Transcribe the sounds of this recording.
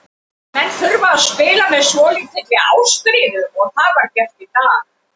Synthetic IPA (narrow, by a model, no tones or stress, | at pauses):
mɛnθʏɾvaaspɪːlamɛðsvɔːliŋt̪ʰɪt̪lɪɣa̰ːwstɾiːnɪðɔɣθaðvaɾ̥cɛft̪ɪt̪aːɣ